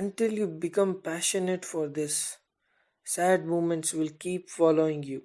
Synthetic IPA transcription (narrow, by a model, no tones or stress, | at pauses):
ə̃ɳʈɪljuːbɪkʌ̃mpæʃəneʈfɔɾd̪ɪsː | æɖ̚muːmə̃ɳʈsʋɪlkiːpfɔːloːɪ̃ŋɡjuː